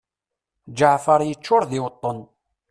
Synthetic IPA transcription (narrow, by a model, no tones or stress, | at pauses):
d͡ʒəʕfəɾˤjət͡ʃːʊɾðɪwət̪ˤːon